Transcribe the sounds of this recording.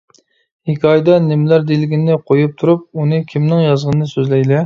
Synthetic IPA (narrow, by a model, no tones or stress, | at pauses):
hikʲʰɑjd̪ɑnɪmlæɾd̪elɪɡʲinɪqʰojup̚t̪ʰuɾup̚unɨkʲʰimnɪŋjɑzʁənɨnɨsøzlɛjlɛ